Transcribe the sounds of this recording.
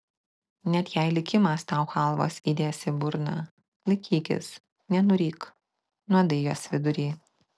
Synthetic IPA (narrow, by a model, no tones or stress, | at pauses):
nʲɛt̪jɛɪlʲɪkʲɪmɐst̪ɑˑʊxɐˑlˠʋo̰ːsʲiːd̪ʲeːsʲɪbʊɾnɐ | lʲɪkʲʰiːkʲɪ̰s | nʲɛnʊɾʲiːk | nɔd̪ɐɪjoːsʋʲɪd̪ʊɾʲiː